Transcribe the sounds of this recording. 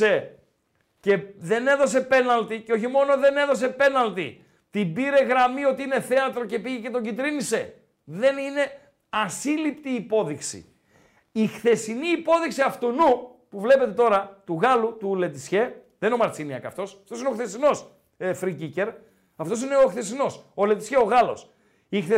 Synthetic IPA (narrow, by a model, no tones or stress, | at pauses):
e | ce̞ðe̞ne̞ðo̞se̞pe̞nɐlt̪iceo̞çimo̞no̞ðe̞ne̞ðo̞se̞pe̞nɐlt̪i | t̪ibiɾe̞ɣɾɐmio̞t̪iine̞θe̞ɐt̪ɾo̞ce̞piʝecet̪oɟit̪ɾinise̞ | ðe̞nine̞ | ɐsilipt̪iːpo̞ðiksḭ | ixθe̞siniːpo̞ðiksiɐft̪onu | puvle̞pe̞t̪e̞t̪o̞ɾɐt̪uɣɐlut̪ule̞t̪isçe̞ðenino̞mɐɾt͡siniɐ̰kɐ̰ft̪o̞sɐft̪osineoθe̞sino̞s | efɾicice̞ɾ | ɐft̪o̞sine̞oxθe̞sino̞sole̞t̪isçeo̞ɣɐlo̞̰s | ixθe